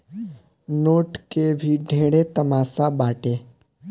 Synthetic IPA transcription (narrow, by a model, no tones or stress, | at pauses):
noːʈkebʱiɖʱeːɽet̪əmaːsabaːʈe